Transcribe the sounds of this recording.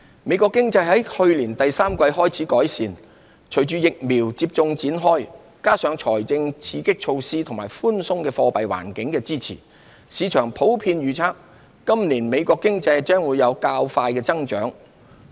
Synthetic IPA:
me˨˧jkɔː˧kːɪ˥ŋt͡sɐ˧jɦɐ˨˥jhɵ˧ɥliː˨˩nt̪ɐ˨jsaː˥mkwɐ˧jhɔː˥jt͡sʰiː˨˥kɔː˨˥jsiː˨˧n | t͡ʃʰɵ˨˩jt͡ʃyː˨˧jɪ˨k̚miː˨˩wt͡siː˧p̚t͡sʊ˧ŋt͡siː˨˥nɦɔː˥j | kaː˥sœː˨˧˥ŋt͡ʃʰɔː˨˩jt͡sɪ˧ŋt͡sʰiː˧kɪ˥k̚t͡ʃʰo˧wsiː˥t̪ʰʊ˨˩maː˨˩jfuː˥nsʊ˥ŋkɛː˧fɔː˧pɐ˨jwa̰ː˨˩nkɪ˨˥ŋkɛː˧t͡siː˥t͡sʰḭː˨˩ | siː˨˧t͡ʃʰœː˨˩ŋpʰo˨˥wpʰiː˧nɥyː˨˩t͡sʰaː˥k̚ː | ɐ˥mniː˨˩nme˨˧jkʷɔː˧kːɪ˥ŋt͡sɐ˧jt͡ʃœː˥ŋwuː˨˧jɐ˨˧wkaː˧wfaː˧jkɛː˧t͡sɐ˥ŋt͡ʃœː˨˥ŋ

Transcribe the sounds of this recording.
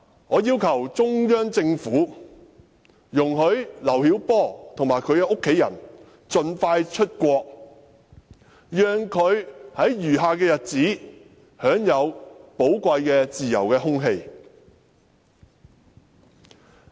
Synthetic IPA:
ŋɔː˨˧jiː˥wkʰɐ˨˩wt͡sʊ˥ŋjœː˥ŋt͡sɪ˧ŋfuː˨˥ | jʊ˨˩ŋɦɵ˨˧ɥlɐ˨˩whiː˨˥wpɔː˥˩t̪ʰʊ˨˩ŋmaː˨˩jkʰɵ˨˧ɥkɛː˧ʔʊ˥kʰːe˨˥jɐ̰˨˩n | t͡ʃɵ˧nfaː˧jt͡ʃʰɵ˥t̚kʷɔː˧k̚ | jœː˨ŋkʰɵ˨˧ɥhɐ˨˥jɥyː˨˩ɦaː˨kɛː˧jɐ˨t̚t͡siː˨˥ | hœː˨˥ŋjɐ˨˧wpo˨˥wkʷɐ˧jkɛː˧t͡siː˨jɐ˨˩wkɛː˧ɦʊ˥ŋɦe˧j

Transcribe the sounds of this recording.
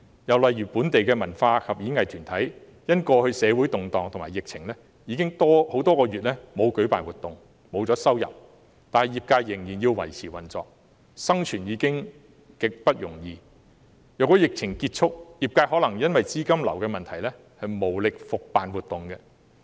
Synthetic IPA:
jɐ˨wlɐ˨jɥyː˨˩puː˨˥nt̪e˨jkɛː˧mɐ˨˩nfaː˧kʰɐ˨p̚jiː˨˥ŋɐ˨jt̪ʰyː˨˩nt̪ʰɐ˨˥j | jɐ˥nkɔː˧hɵ˧sɛː˨˧wuː˨˥jt̪ʊ˨ŋt̪ɔː˨ŋt̪ʰmaː˨˩jɪ˨k̚t͡sʰɪ˨˩ŋlɛ˥ | jiː˨˧kɪ˥ŋt̪ɔː˥ho˨˥wt̪ɔː˥kɔː˧ɥyː˨t̚lɛː˥mo˨˧wkɵ˨˥pa̰ː˨nwuː˨˩t̪ʊ˨ŋ | mo˨˧wt͡sɔː˨˥sɐ˥wjɐ̰˨p̚ | t̪aː˨nhɐ˨jiː˨p̚kaː˧jːɪ˨˩ŋjiː˨˩njiː˧wwɐ̰˨˩jt͡sʰiː˨˩wɐ˨˩nt͡sɔ̰ː˨k̚ | sɐ˥ŋt͡ʃʰyː˨˩njiː˨˧kɪ˥ŋ | kɪ˨k̚pɐ˥t̚jʊ˨˩ŋjiː˨˧ | jɐ˨wkɔː˨˥jɪ˨k̚t͡sʰɪ˨˩ŋkiː˧t̚t͡ʃʰʊ˥k̚jiː˨˩p̚kaː˧jhɔː˨˥lɐ˨˩ŋjɐ˥nwɐ˨jt͡siː˥kɐ˥mlɐ˨˩wkɛː˧mɐ˨nt̪ʰɐ˨˩jlɛ˥ | hɐ˨jmo˨˩wlɪ˨k̚fʊ˨k̚paː˨nwuː˨t̚t̪ːʊ˨ŋkɛ˧

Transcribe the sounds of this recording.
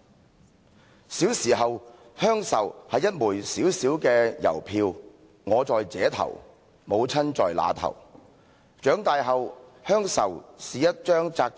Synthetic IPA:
siː˨˥wsiː˨˩ɦɐ˨w | hœː˥ŋsɐ̰˨˩whɐ˨jːɐ˥t̚muː˨˩jsiː˨˥wsiː˨˥wkɛː˧jɐ̰˨˩wpʰiː˧w | ŋɔː˨˧t͡sɔː˨jt͡sɛ̰ː˨˥t̪ʰɐ̰˨˩w | mo˨˧wt͡sʰɐ˥nt͡ʃɔː˨jla̰ː˨˧t̪ʰɐ̰˨˩w | t͡ʃœː˨˥ŋt̪aː˨jɦɐ˨w | hœː˥ŋsɐ̰˨˩wsiː˨jɐ˥t̚t͡ʃœː˥ŋt͡saː˧k̚

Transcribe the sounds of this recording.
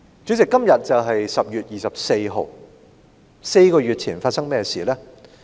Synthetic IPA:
t͡sy˨˥t͡sɪ˨kːɐ˥mjɐ˨t̚t͡sɐ˨wɦɐ˨jsɐ˨p̚jyː˨t̚jiː˨sɐ˨p̚se˧jɦo˨w | se˧jkɔː˧ɥyː˨t̚t͡sʰiː˨˩nfaː˧t̚sɐ˥ŋmɛː˥siː˨˩lɛː˥

